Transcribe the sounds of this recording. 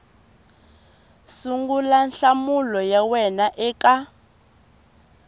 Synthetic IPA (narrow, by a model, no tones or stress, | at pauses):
suŋɡulanɬamulɔjawɛnaʔɛːka